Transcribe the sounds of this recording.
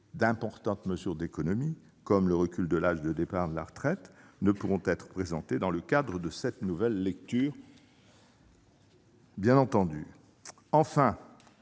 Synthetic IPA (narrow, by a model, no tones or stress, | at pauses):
d̪ɛ̃pɔʁt̪ɑ̃t̪məzyʁd̪ekɔnɔmi | kɔmləʁəkʲyld̪əlaʒd̪əd̪epaʁd̪əla̰ʁət̪χɛt̪nəpuʁɔ̃t̪ɛt̪χə̥pχezɑ̃t̪ed̪ɑ̃ləkad̪ʁəd̪əsɛt̪nuvɛlːɛk̚t̪yːʁ | bjɛ̃nɑ̃t̪ɑ̃d̪y | ɑ̃fɛ̃